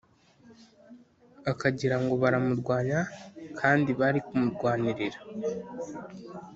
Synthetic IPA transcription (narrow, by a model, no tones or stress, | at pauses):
akaɟiɾaŋɡo̞βaɾamuɾɡwaːɲakʰaːndiβaɾikumuɾɡwaːniɾiɾa